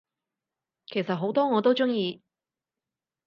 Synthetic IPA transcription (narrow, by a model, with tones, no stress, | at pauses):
kʰe˨˩jsɐ˨t̚ɦo˨˥wt̪ɔː˥ŋɔː˨˧t̪o˥wt͡sʊ˥ŋjiː˧